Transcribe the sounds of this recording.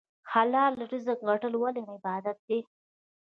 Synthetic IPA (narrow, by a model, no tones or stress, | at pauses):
xalɑlːaʈuzəkɣaʈəlwalenaɪbɑd̪at̪̚d̪e